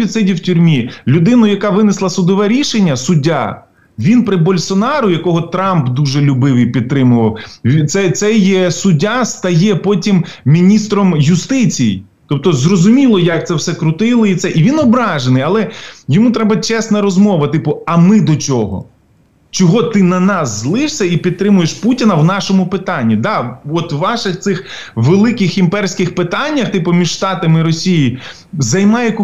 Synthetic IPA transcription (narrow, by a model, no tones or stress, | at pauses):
id̪sɛdʲiwtʲʊɾʲmʲilʲʊd̪ɪnʊjɐkɑʋɪnɪslˠɐsʊd̪ɔʋɛɾʲiʃenʲːɐsʊdʲːa̰ | ʋʲinpɾɪbɔlʲsɔnɑɾʊjɐkɔɦɔt̪ɾɑmbd̪uʒɛlʲʊbɪʋɨjpʲid̪̚ɾɪmʊʋɐwʲt̪sɛt̪sɛjɛsʊdʲːast̪ɐjɛpɔtʲimmʲinʲist̪ɾɔmjʊst̪ɪt͡sʲijḭ | t̪ɔp̚t̪ɔzrɔzʊmʲilˠɔjak̚t̪sɛwsɛkɾʊt̪ɪlˠɔit̪sɛʔiʋʲinɔbɾɑʒenɪjɐlˠɛjɔmut̪ɾɛbɐt͡ʃɛsnɐɾɔzmɔʋɐt̪ɪpʊɐmɪd̪ɔt͡ʃʲɔɦɔ̰ | t͡ʃɔɦɔt̪ɪnɐnɑsːlˠɪʂsʲɐipʲid̪̚t̪ɾɪmʊjeʃputʲinɐwnɑʃɔmʊpɪt̪ɑnʲːid̪ɑɔt̪wːɑʃɪxt̪sɪx | ʋelˠɪkɪximpɛrsʲkɪxpɪt̪ɑnʲːɐxt̪ɪpʊmʲiʒʃt̪ɑt̪ɐmɪɾɔsʲiji | zɐjmɑjɛk